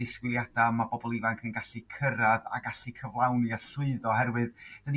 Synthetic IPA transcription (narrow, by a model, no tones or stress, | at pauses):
ɪskwɪlˠjadamabɔbɔlˠivaŋkʰənɡaɬikʰəɾaða̰ɡaɬikʰəvlˠawnjaɬʊɨðɔhɛɾwɨðd̥ən